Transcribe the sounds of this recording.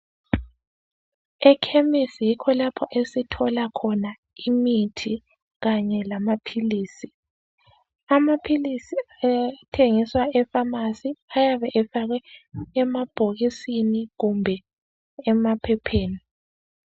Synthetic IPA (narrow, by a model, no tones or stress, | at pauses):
ɛkʰemisjikʰɔlapʰɔʔesitʰɔlakʰɔna | imitʰi | ɣaɲɛlamapʰiliːsi | amapʰilisiatʰeŋiswaɛfamasiajaβɛʔɛfaɣɛɛmab̥ʱoɣisiniɣumbʱɛ | ɛmapʰɛpʰeːni